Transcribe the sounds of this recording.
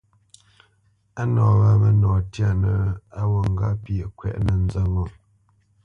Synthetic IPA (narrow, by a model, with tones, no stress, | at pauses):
a˦nɔː˨βa˦mə˦nɔː˨tja˦˨nə˨a˦wo˨ŋ˦ɡa˦pjə˨kwɛ̰˦˨ʔnə˨n˦zə˦ŋo˨m